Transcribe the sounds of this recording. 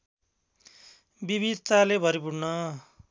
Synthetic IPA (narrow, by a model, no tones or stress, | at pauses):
bibid̪ʱt̪alebʱʌɾipuɽnʌ